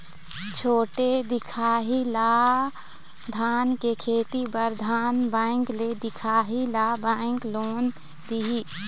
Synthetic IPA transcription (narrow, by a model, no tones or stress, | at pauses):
t͡ʃʰoːʈed̪ɪkʰaːɦila | d̪ʱaːnkekʰeːt̪ibəɾd̪ʱaːnbãːɪŋkled̪ɪkʰaːɦilabaɪ̃ŋkloːn | d̪iɦi